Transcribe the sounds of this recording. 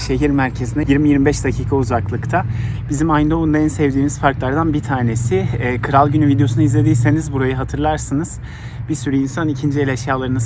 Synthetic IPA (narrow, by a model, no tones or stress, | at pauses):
ʃe̞ɦiɾmæɾcʰezinɛjiɾmijiɾmibɛʃd̪acʰiːkʰauzaklˠɯkt̪ʰa | bizimaj̪d̪ound̪aɛnsɛvd̪iːmizfaɾklˠaɾd̪anbit̪ʰaːne̞sɪːkʰɯɾalˠɟynyvid̪ejo̞sunɯizlʲe̞d̪ijse̞nizbuɾajɯɦat̪ʰɯɾlˠaɾsɯnɯz̥ | bisyɾɛinsanicʰind͡ʒielʲɛʃjaːlˠaɾɯnɯz